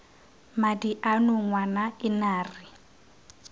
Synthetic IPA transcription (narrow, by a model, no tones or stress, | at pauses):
madiʔanʊŋwanaɪnaːrɪ